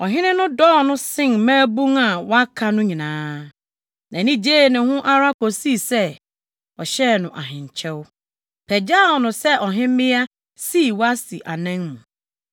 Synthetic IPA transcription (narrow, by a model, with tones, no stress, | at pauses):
ɔ˨ɦɪ̃˦nɪ̃˦nʊ̃˦dɔː˦˨nʊ̃˦sɪ̃˦ŋ˦mãː˦bũ˦ŋa˨wa˦kʰa˨nʊ̃˦ɲĩ˨nãː˨˦ | nã˨nĩ˦d͡ʑeː˦˨nɪ̃˨hʊ̃˦ʔa˦ɾa˦ko˨si˦sɛ˦ | ɔ˨ɕɛ˦nʊ̃˨ʔa˨ɦɪ̃˨ɲ˨t͡ɕʰɛ˦w | pʰɛ˨d͡ʑa˦˨ɔ˨nʊ̃˨sɛ˦ʔɔ˨ɦɪ̃˦mɪ̃˦a˦ | si˦˨wa˦si˨ʔa˨nã˦ŋmũ˨